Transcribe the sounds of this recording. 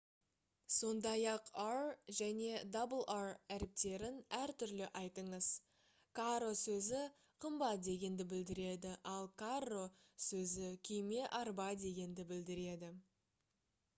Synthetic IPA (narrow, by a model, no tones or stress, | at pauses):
so̞nd̪ɑjɑqarʒæne̞d̪obəlˠaræɾɪp̚t̪e̞ɾɪnæɾt̪ʰʏɾlɪʔɑjt̪əɴəz̥ | kʰaɾo̞sɵzɪ | qʰəmbɑt̪̚d̪e̞ɡʲe̞nd̪ɪbɪld̪ɪɾe̞d̪ɪʔɑlˠkʰaro̞sɵzɪkʲʰejme̞ʔɑɾbɑd̪e̞ɡʲe̞nd̪ɪbɪld̪ɪɾe̞d̪ɪ